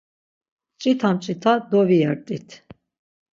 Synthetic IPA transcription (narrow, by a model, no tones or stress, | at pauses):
t͡ʃʼit̪ʰamt͡ʃʼit̪ʰad̪ɔviɛɾt̪ʼit̪ʰ